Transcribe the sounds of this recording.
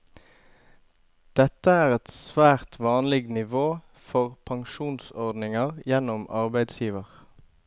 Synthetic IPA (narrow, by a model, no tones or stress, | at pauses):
d̪̥ɛt̪əæːʁɛt̪sʋæːʁt̪ʰʋɑːnlɪɡnɪʋoː | fɔʁpʰɑŋʃuːnsɔʁd̪nɪŋɑʁjɛnɔmɑʁbæɪd̪sjiːʋəʁ